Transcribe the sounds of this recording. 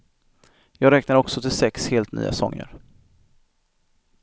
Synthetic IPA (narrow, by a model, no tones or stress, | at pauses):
jɑːɡɾɛːknaɾɔksɔt̪ʰɪlsɛksheːlt̪ny̰ːa̰sɔ̰ŋːə̰ɾ